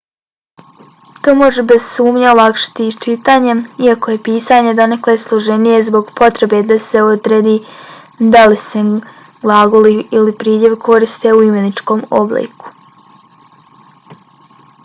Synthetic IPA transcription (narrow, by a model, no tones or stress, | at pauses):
t̪o̞ːmo̞ʒebe̞z̥suːmɲalˠakʃi̥t̪it͡ʃit̪aːɲeiakoje̞piːsaːɲe̞d̪o̞nekleslˠoʒe̞nije̞zbo̞ɡpo̞t̪ɾe̞be̞d̪ase̞od̪ɾeːd̪i | d̪alise | ɡlˠaːɡoliilipɾiːdje̞ʋkʰo̞ɾist̪euimenit͡ʃko̞ːmo̰blḭːku̥